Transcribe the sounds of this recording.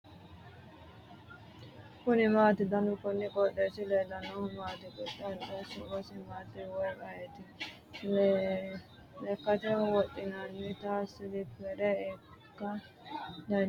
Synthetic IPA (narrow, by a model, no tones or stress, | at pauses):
kʊnɪmaːt̪ɪd̪ɐnʊkʊnːɪkʼɔɗːeːsɪled̪ɐnɐmaːt̪ɪkɔtːɐtɛsɪkɔsɪmaːt̪ːɪwɔjkʼɐjɛt̪ɪ | l | ɛkːɐt̪ɛwɔt̪ʼːɪnanːɪt̪aːsɪd̪ɪpɛɾɛɛkːɐ | d̪ɐ